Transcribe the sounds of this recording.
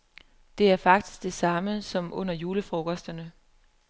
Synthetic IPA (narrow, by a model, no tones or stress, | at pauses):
d̥e̝æɐfɑ̈ɡ̥̚d̥i̥sɡ̥̚d̥e̝sɑ̈məsɒ̽mɔ̽n̰ɐjuːləfʁoɡ̥ɒsd̥ɐnə